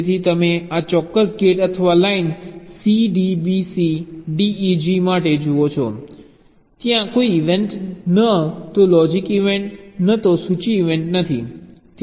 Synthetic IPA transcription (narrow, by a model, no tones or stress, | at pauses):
t̪ʰit̪əmeat͡ʃɔkːəsɡeʈət̪ʰəʋalainsiɖibisiɖiːd͡ʒimaʈed͡ʒuʋot͡ʃʰɔ̰ | t̪jãkoiːʋeɳʈnət̪olɔd͡ʒikiʋeɳʈnət̪osut͡ʃiːʋeɳʈnət̪ʰḭt̪